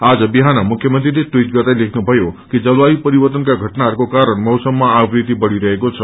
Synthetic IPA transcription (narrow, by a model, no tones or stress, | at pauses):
ad͡zʌbiɦanamukʰjʌmənt̪ɾiɾeʈwiʈɡʌɾd̪ajlekʰnubʱʌjokid͡ʒʌlaipəɾibəɾt̪ənkaɡʱəʈnaɾkokaɾəɳmʌwsəmːãːbɾit̪ibʌɽiɾʌɦekot͡ʃʰʌ